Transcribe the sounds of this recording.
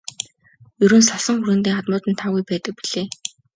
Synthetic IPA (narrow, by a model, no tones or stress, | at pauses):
jɵɾɵ̆nsaɮsə̆ŋxurɾɘ̆nt̪iːŋχat̪mʊːt̪ɘ̆nt̪ʰaːɣujpæːt̪ə̆k̚pi̥ɮeː